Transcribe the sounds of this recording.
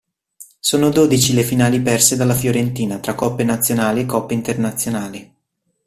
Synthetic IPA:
soːnod̪oːd̪it͡ʃilefinaːlipɛrsed̪alːafjoɾent̪iːnat̪ɾakːɔpːenat̪sːjonaːliekːɔpːeint̪ernat̪sːjonaːli

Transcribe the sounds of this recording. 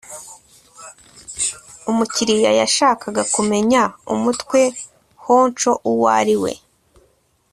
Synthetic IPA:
umuciɾijajaʃaːkaɡakume̞ɲaṵmutkwe̞ | ho̞ːnt͡ʃo̞ʔuwa̰ɾiwe̞̰

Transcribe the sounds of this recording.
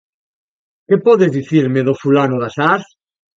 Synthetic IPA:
kepɔðezðiθiɾmeðofulanoðasaθ

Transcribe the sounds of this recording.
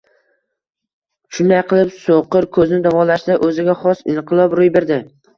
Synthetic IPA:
ʃʊnd̪ajqʰɨlˠɪpsoqɨɾkʰɵznɪd̪avɒlaʃd̪aʔɵzɪɡʲaχɒsɪnqʰɨlˠɒbɾojbe̞ɾd̪ɪ

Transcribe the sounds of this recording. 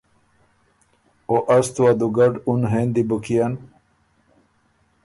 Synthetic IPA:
oʔɐst̪uad̪uɡɐɖunɦend̪ibukijan

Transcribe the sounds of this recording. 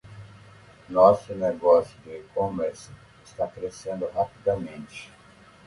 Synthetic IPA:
nɔsʊneɡɔsjʊd̪ɪkõmeɾs | ɪst̪akɾesẽnd̪ʊɦapid̪ɐmẽnt͡ʃɪ̥

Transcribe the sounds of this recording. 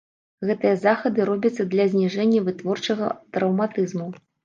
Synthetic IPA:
ɣɛt̪ɨjɐzaxɐd̪ɨɾɔbʲɐt̪sːɐd̪lʲɐzʲnʲiʐɛnʲːɐvɨt̪vɔrt͡ʂɐɣɐ̰t̪ɾɐwmat̪ɨzmu

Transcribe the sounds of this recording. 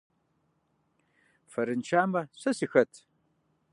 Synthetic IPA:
fɐɾɨnt͡ʃʰaːmɐɕʷɐsɨxɐtʰ

